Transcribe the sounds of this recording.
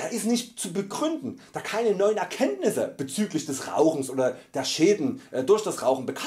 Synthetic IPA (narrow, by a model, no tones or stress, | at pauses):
d̥aːʔɪstnɪçtt͡subəɡʁʏndn̩d̥aːkʰaɪnənɔʏənɛɐkʰɛntnɪsə̰b̥ət͡syːklɪçd̥ɛsʁa̰ʊxn̩sʔoːdɐd̥eːɐʃeːdn̩ʔɛːdʊɐçd̥asʁaʊxn̩bəkʰa